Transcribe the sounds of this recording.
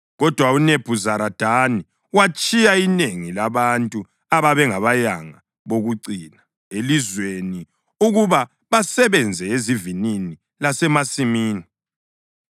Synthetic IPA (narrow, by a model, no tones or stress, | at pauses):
ɣɔd̥ʱwauneb̥ʱuzaɾad̥ʱani | wat͡ʃʼijaineŋilaβantʼu | aβaβɛŋaβajaŋa | βoɣuǀiːna | elizweni | uɣuβa | βasɛβɛnd͡zʱɛezivinini | lasɛmasimiːni